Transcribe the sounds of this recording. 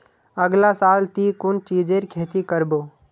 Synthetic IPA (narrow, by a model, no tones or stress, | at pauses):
əɡlasaːlt̪iːkʊnt͡ʃiːd͡ʒeɾkʰeːt̪ikəɾboː